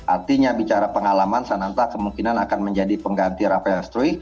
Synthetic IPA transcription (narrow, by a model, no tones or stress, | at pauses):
ʔart̪iɲabit͡ʃaɾapəŋalamansanant̪akəmuŋkinanakanməɲd͡ʒadipəŋɡant̪ɪɾapajaŋst̪ɾui